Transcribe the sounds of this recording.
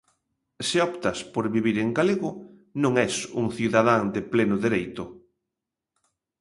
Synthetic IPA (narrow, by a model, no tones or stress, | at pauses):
sɪɔpt̪ɐspoɾβiβiɾeŋɡaleɣʊ | nõŋɛsuŋθjuðaðaŋd̪ɪplenʊðeɾejt̪ʊ